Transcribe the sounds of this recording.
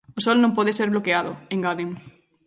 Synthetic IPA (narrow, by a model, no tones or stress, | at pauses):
osolnõmpɔðeseɾβlokeaðoẽŋɡaðem